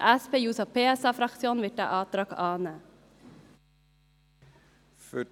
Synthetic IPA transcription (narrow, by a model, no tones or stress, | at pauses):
ʔæspeːjuːsɑpʰeːɛsɑːfɾɑksɪuːnʋɪʈæ̰ʔɑːt̪ɾɑkɑːnə | fœ